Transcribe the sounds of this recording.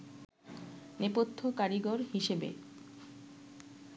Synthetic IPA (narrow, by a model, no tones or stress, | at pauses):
nepot̪ʰːokaɾiɡoɾɦiʃebḛ